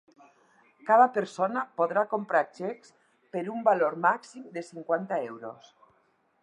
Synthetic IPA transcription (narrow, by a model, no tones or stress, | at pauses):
kaðapeɾsonapoðɾakompɾat͡ʃɛks | peɾumbaloɾmaksimd̪esiŋkwant̪aɛwɾo̰s